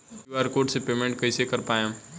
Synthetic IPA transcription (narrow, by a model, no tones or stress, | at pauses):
uaːɾkoːɾʈsepeːmẽɳʈ̚kɐisekɐɾpaːjã